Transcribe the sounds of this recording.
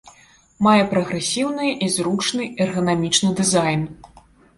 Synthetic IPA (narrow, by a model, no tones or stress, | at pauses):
majɛpɾɐɣɾɛsʲiwnɨjʔizɾut͡ʂnɨʔɛrɣɐnamʲit͡ʂnɨd̪ɨzajn